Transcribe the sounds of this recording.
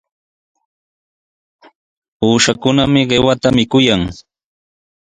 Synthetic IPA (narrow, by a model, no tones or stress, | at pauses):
uːʃakʊnamɪɢewat̪amɪkʊjaŋ